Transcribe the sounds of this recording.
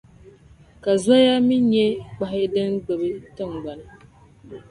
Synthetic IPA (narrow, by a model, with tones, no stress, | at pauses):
ka˨za˦ja˦mi˦ɲɛ˦k͡pa˨ɦɪ˦dɨ˦nɡ͡bɛ˨bɨ˦tɨ˦˨ŋ˨ɡ͡ba˨nɨ˨